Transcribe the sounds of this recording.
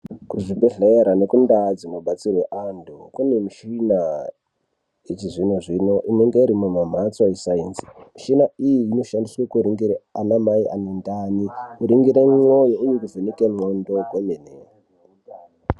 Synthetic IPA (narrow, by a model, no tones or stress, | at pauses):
kuʐibʱeɮeɾanekundad͡zimuɓat͡sirweʔandukunemiʃina | et͡ʃiʐinoʐinoʔineŋɡeiɾimumam̤at͡swaisainsi̥miʃinaijiino̞ʃandiswekuɾiŋɡiɾeanamaiʔa̰nendanikuɾiŋɡiɾemŋojoujikuvenikemondoɡʱwomene